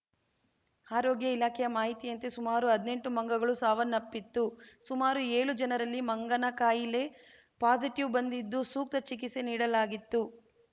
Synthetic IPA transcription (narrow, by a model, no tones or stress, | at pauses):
aːɾoːɡjɐilaːkʰɛjɐmaːɦit̪ijɐnt̪esumaːɾuɦɐd̪ne̞ɳʈumɐŋɡɐɡɐɭusaːʋɐnːɐpːit̪ːusumaːɾueːɭud͡ʒɐnɐɾɐlːimɐŋɡɐnɐkaːjile̞ | paːd͡ʒiʈiʋbɐnd̪id̪ːusuːk̚t̪ɐt͡ʃikiseniːɽɐlaːɡit̪ːu